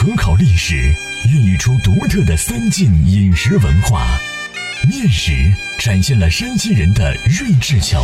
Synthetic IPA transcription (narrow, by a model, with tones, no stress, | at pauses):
kʰɤ˧˥kʰɑ˨˩ʊli˥˩ʂɻ̩˨˩ | y˥˩ny˨˩ʈ͡ʂʰu˥t̪u˧˥t̪ʰɤ˥˩d̪ə˩fə˥nt͡ɕi˥˩ni˨˩nʂɻ̩˧˥wə˧˥nxwa̰˥˩ | mjɛ˥˩nʂɻ̩˧˥ | ʈ͡ʂa˨˩nɕjɛ˥˩nlə˩ʂə˥nt͡ɕi˥ɻə˧˥nd̪ə̰˧ɻə˥˧nʈ͡ʂɻ̩˥˩t͡ɕʰjɑ̰˧˥